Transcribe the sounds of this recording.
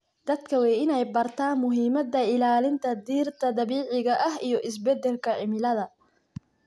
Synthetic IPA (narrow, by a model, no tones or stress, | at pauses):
d̪̥ɐd̪kʰɐwɛjɪnɛjbɐrt̪ʰaːnmʊɦiːmɐd̪ɐɪlaːlɪnt̪ʰɐd̪iːrt̪ʰɐd̪ɐβiːʕɪɣɐʔɐɦijɞʔɪs̬bɛd̪ɛlkʰɐʕɪmɪlɐðɐ